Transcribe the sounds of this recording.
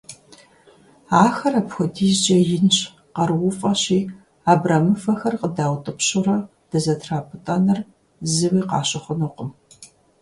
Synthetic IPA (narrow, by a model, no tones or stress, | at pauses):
aːxɐrɐpxʷɔdʰiːzd͡ʒɐjɪnɕ | qɐrwʊfʼɐɕiː | aːbrɐmɨfɐxɐrqədaːwtʼɨpɕʊɾɐ | d̥ɐzɐtʰraːpʰɨtʼɐnɐr | zɨwiːqɑ̰ːɕɪχʷʊnuqʊm